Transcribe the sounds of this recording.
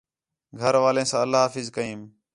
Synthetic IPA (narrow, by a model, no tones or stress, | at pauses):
ɡʱəɾʋaːlẽːsãːəlːaːɦaːfɪzkəĩːm